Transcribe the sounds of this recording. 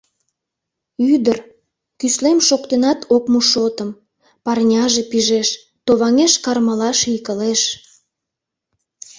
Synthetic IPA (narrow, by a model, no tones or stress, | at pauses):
yd̪ər | kyslemʃokt̪enɑt̪okmuʃot̪əm | pɑrnʲɑʒepiʒeʃ | t̪oβɑŋeʃkɑrmɑlɑʃikəleʃ